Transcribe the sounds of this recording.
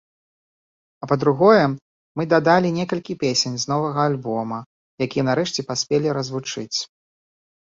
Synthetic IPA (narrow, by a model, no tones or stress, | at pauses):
ɐpɐd̪ɾuɣɔjɛ | mɨd̪ad̪alʲinʲɛkɐlʲkʲipʲesʲenʲzn̪ɔvɐɣɐːlʲbɔmɐ | jakʲijɛnaɾɛʂt͡sʲɛpasʲpʲelʲiɾɐzvut͡ʂɨt͡sʲ